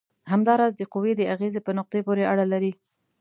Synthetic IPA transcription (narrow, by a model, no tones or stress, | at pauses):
ɦamd̪ɑɾɑzd̪əqʊwed̪əaɣezepənʊq̚d̪ejpoɾeaɽalaɾi